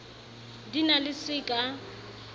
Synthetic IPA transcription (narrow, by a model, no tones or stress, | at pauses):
dinalɪsɪkʼa